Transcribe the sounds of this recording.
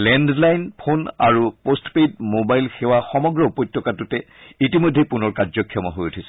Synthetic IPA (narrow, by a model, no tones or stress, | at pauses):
lɛndlajnpʰona̰ɹupostped̚mobajlxɛwaxɔmɔɡɹɔupɔjtːɔkatutɛ | itimojdʱːejpunɔɹkazɔkʰːijɔmɔ̰ɦojutʰisɛ̥